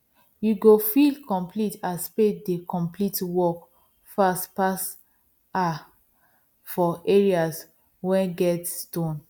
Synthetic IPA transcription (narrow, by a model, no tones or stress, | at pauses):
juɡofilkɔ̃mplitaspedekɔ̃mplitwɔk | fastpas | a | fɔeɹias | wɛ̃nɡɛtstõn